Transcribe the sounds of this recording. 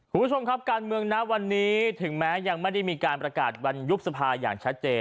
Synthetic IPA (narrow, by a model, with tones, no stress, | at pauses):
kʰu˧nbʰt͡ɕʰo˧mkʰa˦˥p̚kaː˧nmɯ˧əŋna˦˥ʔwa˧nːiː˦˥t̪ʰɯ˩˦ŋmɛː˦˥ja˧ŋma˥˩jda˥˩jmiː˧kaː˧npɾa˧kaː˨˩t̪̚wa˧nju˦˥p̚sa˧pʰaː˧ja̰ː˨˩ŋt͡ɕʰa˦˥t̪̚t͡ɕeː˧